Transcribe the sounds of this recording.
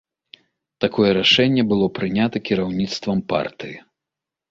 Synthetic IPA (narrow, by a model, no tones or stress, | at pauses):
t̪akɔjɛɾaʂɛnʲːɛbɨlˠɔpɾɨnʲat̪ɐkʲiɾawnʲit̪st̪vɐmpa̰rt̪ɨji